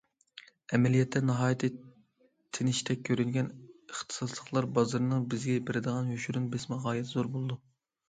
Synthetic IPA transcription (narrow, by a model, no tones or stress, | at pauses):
ɛmɛlijɛt̪ʰːɛnɨɦɑːjt̪ʰɨ | t̪ʰɪnɪʃt̪ʰɛk̚ʲʰːøɾynɡʲɛnəχt̪ʰɨ̥sɑslˠəχlˠɑɾbɑzɨɾɨnɨŋbɪzɡʲɛbɪɾɪd̪əʁɑnhøʃyɾunbɪsmɪʁɑːjɛt̪ʰzoɾbolˠɨd̪u